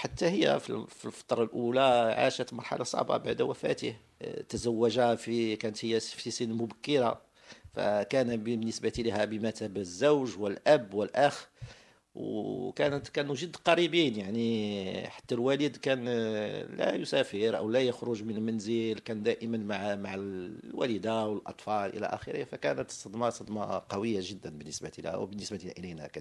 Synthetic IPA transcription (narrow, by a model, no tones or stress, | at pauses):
ħat̪ːæhəjːæ̰fḭlfilfɑ̥t̪ˤɾˤɑlʔulæʕa̰ʃət̪lmɑɾˤħa̰lʔɑ̰sˤɑ̰ʕbɑ̰baʕd̪wæfæ̰t̪ə̰h | t̪əzæwːæʒafikænət̪həjːæfisənmʊbækːəɾa | fæ̰kænbəbnːəsbæt̪ilæhæbəmæt̪æbzːuwʒwəlʔæbːwəlʔæx | wkænət̪kænuʒəd̪ːqɑɾibinjaʕniħḁt̪ːælwæləd̪kænlæ̰jʊsæfəɾʔə̰wlæjəxɾʊʒmənəlmænzəlkænd̪æʔəmənmʕmaʕlwæ̰ləd̪awəlʔɑ̰t̪ˤfɑlʔə̰læ̰ʔæ̰xəɾihfækænət̪sɑd̪mɑsˤɑd̪mɑ̰qɑwəjːaʒəd̪ːənbənːəsbailæ̰hæ̰wbənːəsbaʔələjnæ̰kæ